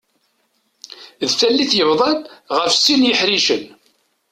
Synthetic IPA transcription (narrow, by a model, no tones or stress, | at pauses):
ðfælːiθjəvðˤɑnʁəfsinjəħɾiʃən